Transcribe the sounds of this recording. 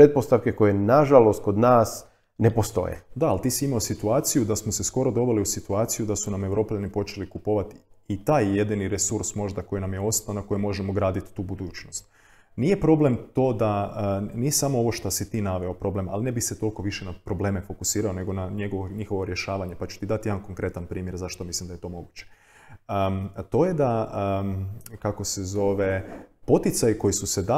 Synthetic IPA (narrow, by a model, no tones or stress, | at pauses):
pɾet̪̚post̪aʋkeko̞jenaʒalost̪̚kod̪naːs | nepost̪o̞̰jḛd̪aalt̪iːsiimaosit̪uaːt̪sijud̪asmose̞sko̞ɾo̞d̪o̞ʋeliusit̪uaːt̪sijud̪asuname̞wɾo̞ːpʎanipo̞t͡ʃe̞likupo̞ʋat̪it̪aːjje̞d̪iniɾesuɾsmo̞ʒd̪ako̞jinamjeo̞st̪anako̞jimo̞ʒemo̞ɡɾaːd̪it̪ːuːbud̪uːt͡ɕnost̪ | nije̞pɾo̞ble̞mt̪o̞ːd̪anijesamoo̞ʋo̞ʃt̪osit̪iːnaʋe̞opɾoble̞ma̰linebixset̪o̞lˠko̞ʋiʃenapɾo̞ble̞ːme̞fo̞kusiːɾaone̞ɡo̞naɲe̞ɡoʋoɲixo̞ʋo̞ɾje̞ʃaːʋaɲe̞pat͡ɕu̥t̪id̪at̪jed̪anko̞ŋkɾe̞t̪anpɾiːmjeɾzaʃt̪omislimd̪ajet̪o̞mo̞ɡuːt͡ɕe̥ | ət̪o̞je̞d̪a | kako̞sezo̞ʋepo̞t̪it̪sajiko̞jisused̪a